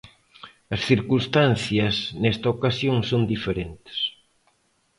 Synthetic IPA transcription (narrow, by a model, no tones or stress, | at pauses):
ɐsθiɾkust̪an̟θjɐsnest̪ɐokasjoŋsond̪ifeɾent̪ɪ̥s